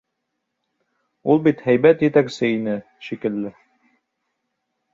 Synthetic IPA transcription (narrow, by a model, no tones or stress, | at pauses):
ulˠbit̪hæjbæt̪jɘ̆t̪æksɘinɘ | ʃikɘ̆lːɘ